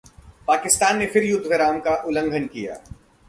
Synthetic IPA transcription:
paːkɪst̪aːnːefɪɾjʊd̪ʱːʋeɾaːmkaʔʊlə̃ŋɡʱənkija̰ː

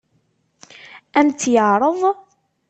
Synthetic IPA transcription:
ænt̪ːjəʕɾˤəðˤ

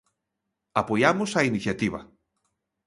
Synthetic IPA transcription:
ɐpoiamosɐiniçet̪ivɐ̰

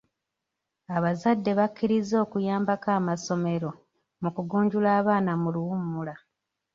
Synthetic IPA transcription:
aβazadːe̞βakːiɾizo̞ːkujaːmbakaːmaso̞me̞ɾo̞ | mukuɡuːɲɟulaːβaːnamuluwumːula

